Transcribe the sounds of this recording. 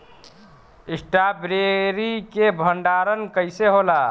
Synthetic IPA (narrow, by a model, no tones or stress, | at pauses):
isʈabɾeɾikebʱəɳɖaɾənkəjseɦola